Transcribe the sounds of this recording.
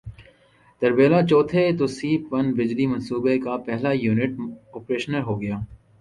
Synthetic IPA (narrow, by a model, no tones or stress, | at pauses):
d̪̥ɐɾbeːlat͡ʃɔːt̪ʰet̪osiːpɐnbɪd͡ʒlimɐ̃nsuːbekapɛɦlajuːnɪʈɔːpɾeːʃənəɾɦoːɡɐjaː